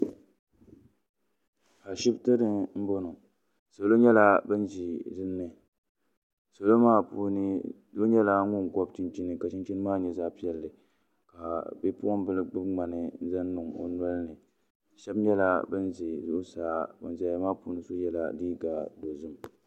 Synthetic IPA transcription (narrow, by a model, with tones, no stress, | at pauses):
a˨ʃi˦btɨ˦dɨ˦m̩˦bo˦nʊ˨ | so˨lo˦ɲɛ˦la˦bɨ˦nd͡ʒi˨zɨ˦m˦nɨ˨ | so˨lo˦maː˦pu˦nɨ˦ | do˦ɲɛ˦la˦ŋʊ˦ŋ˨ɡɔ˦b̚t͡ʃi˦nt͡ʃi˦nɨ˨ka˨t͡ʃi˦nt͡ʃi˦nɨ˦maː˦˨ɲɛ˨za˦pi˦ɛ˨lːɨ˨ | ka˨bɛ˦pu˦ɔ˦m˦bɨ˦lɡ͡bɨ˦bŋ͡ma˨nɨ˨˦za˦nː˦ʊ˨ŋo̰˨n˦ɔ˦lnɨ˨ | ʃɛ˦bɲɛ˦la˦bɨ˦nzi˨zʊ˦ʔʊ˦saː˨˦bɔ˨nza˨˦maː˦puː˨˦nɨ˦so˦jɛ˨la̰˨diː˦ɡa˨do˨zɨ˦m